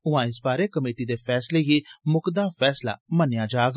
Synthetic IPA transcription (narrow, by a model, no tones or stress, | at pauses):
ʊʋãːɪsbaːɾeːkəmeːʈiːd̪eːpʰɛːsleːɡiːmʊkd̪aːpʰɛːsla̰ːmənjaːd͡ʒaːɡ